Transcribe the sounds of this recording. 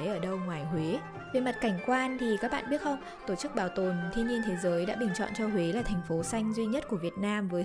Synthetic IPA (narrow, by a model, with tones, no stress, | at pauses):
jʔəː˧˩ɗə˧wŋwaː˨˩jhwe˨˦ | ve˨˩ma˨˩t̚ka˧˩jŋ̟kwaː˧nt̪ʰi˨˩kaː˦˥k̚ɓa̰ː˧˨nɓi˦˥t̚xə˧wŋ͡m | t̪o˧˩t͡ɕɨ˦˥k̚ɓaː˨˩wt̪o˨˩nt̪ʰwi˧ni˧ənt̪ʰe˨˦zəː˨˦jɗa̰ː˧˥ɓï˨˩ŋ̟t͡ɕɔ̰˧˨nt͡ɕɔ˧hwe˨˦laː˨˩t̪ʰɛ˨˩jŋ̟fo˨˦sa˧jŋ̟zwi˧ɲə˦˥t̚ku˧˩əvi˨˩ət̚naː˧mvəː˨˦j